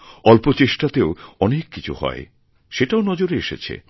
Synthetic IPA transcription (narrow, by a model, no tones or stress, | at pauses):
ɔlpot͡ɕeʃʈat̪eoɔnekːit͡ɕʰṵhɔ̰e | ʃeʈaonɔd͡ʑoɾeeʃḛt͡ɕʰḛ